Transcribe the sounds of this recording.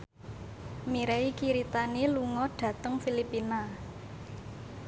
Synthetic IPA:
miɾeikiɾit̪aniluŋɔɖ̥ä̤t̪əŋfilipina

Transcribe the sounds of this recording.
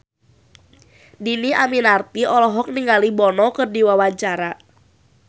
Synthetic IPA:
diniʔaminart̪iɔlɔɦɔk̚niŋalibɔnɔkɨrdiwawaɲt͡ʃaɾa

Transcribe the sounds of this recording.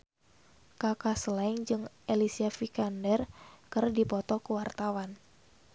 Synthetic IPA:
kakaslaŋd͡ʒɨŋʔelisiafikandɛrkɨrdipɔt̪ɔkəwart̪awan

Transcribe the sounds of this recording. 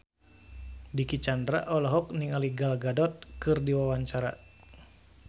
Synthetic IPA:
dikit͡ʃandɾa̰ʔɔlɔɦɔk̚niŋaliɡalɡadɔt̪̚kɨrdiwawaɲt͡ʃaɾa̰

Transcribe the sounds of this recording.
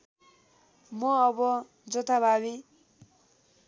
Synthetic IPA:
mʌːbʌ | d͡zʌt̪ʰabʱabi

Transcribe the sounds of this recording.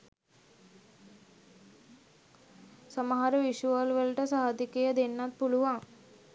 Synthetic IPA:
səməɦaɾəʋiʃuəlʋəlʈəsaɦad̪ikəjəd̪enːat̪̚puluʋaŋ

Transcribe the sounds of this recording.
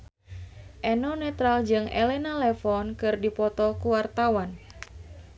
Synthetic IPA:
ʔɛnɔnɛt̪ɾald͡ʒɨŋɛ̰lɛnalɛfɔnkɨrdipɔt̪ɔkuwart̪awan

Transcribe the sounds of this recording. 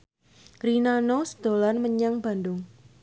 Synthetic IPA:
rinanosə̥d̪̥o̤lanməɲaŋba̤ndʊŋ

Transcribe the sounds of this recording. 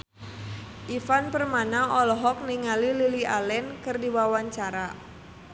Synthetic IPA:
ʔifanpərmanaɔlɔɦɔk̚niŋalililiʔalɛnkɨrdiwawaɲt͡ʃaɾa

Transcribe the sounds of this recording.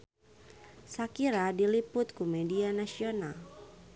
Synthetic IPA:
sakiɾadilipʊt̪̚kumɛdianasional

